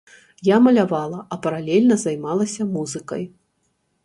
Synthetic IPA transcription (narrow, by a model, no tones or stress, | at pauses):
jamɐlʲavalˠɐʔɐpɐɾalʲɛlʲnɐzajmalˠɐsʲɐmuzɨkɐ̰j